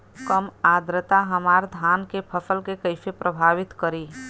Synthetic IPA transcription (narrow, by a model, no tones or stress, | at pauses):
kəmaːd̪ɾət̪aɦɐmaːɾd̪ʱaːnkepʰɐfəlkekəɪfepɾʔəbʱaːʋɪt̪kəɾiː